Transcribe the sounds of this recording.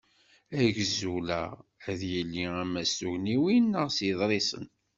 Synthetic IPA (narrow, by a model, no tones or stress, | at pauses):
æʝzulæ̰æðjəlːiæmːæsuʝniwinːəʁsjəðˤɾˤisə̰n